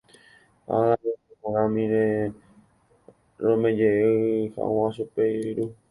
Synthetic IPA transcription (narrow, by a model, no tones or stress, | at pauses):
a̰aooɾãmĩɾe | ɾõmẽd͡ʒeeha̰ʔõãʃupeiɾu